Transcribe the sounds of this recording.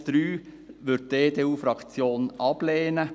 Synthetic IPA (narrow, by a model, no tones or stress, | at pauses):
d̪̥ɾyː | ʋʏt̚deːd̪eːuːfɾɑkt͡sjoːnʔɑb̥leːnə